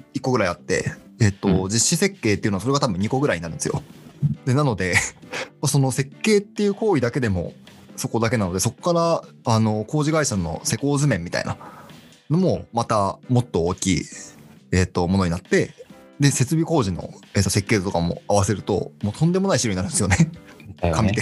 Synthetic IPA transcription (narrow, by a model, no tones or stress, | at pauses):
ikːo̞ɡɯ̟ɾaiat̪ːe̞̰ː | t̪ːo̞d͡ʑiɕːise̞kːe̞ːt̪ːeɯ̟nasoeɡat̪abɯ̟̃ɲ̟iko̞ɡɯ̟ɾaiɲ̟inaɾɯ̟nd̪esɨjo̰d̪e̞nano̞d̪e̞maso̞no̞se̞kːe̞ːt̪ːe̞jɯ̟ːko̞ːid̪ake̞d̪e̞mo̞̰ | so̞ko̞d̪ake̞nano̞d̪e̞so̞kːaɾaano̞ko̞ːʑiɡaiɕanːo̞̰se̞ko̞ːzɨmẽmːʲit̪a̰ḭna̰ | no̞mo̞mat̪amo̞t̪ːo̞oːkʲḭː | et̪ːo̞mono̞ɲinat̪ːe̞ | d̪e̞se̞t͡sɨbʲiko̞ːʑino̞̰e̞t̪ose̞kːe̞ːt̪t̪okamo̞̰aβase̞ɾɯ̟t̪o̞̰moːt̪ʰõnd̪e̞mo̞naiɕiɾoɲnaɾɯ̟nd̪esɨjonekamʲit̪e